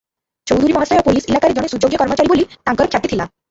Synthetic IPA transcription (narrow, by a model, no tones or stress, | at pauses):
t͡ɕowd̪ʱuɾimɔ̃ɦasajɔpoliselakaɾed͡ʑoɽesud͡ʑoɡjɔkɔɾmot͡ɕaɾibolit̪ãŋkɔɾkʰjat̪it̪ʰila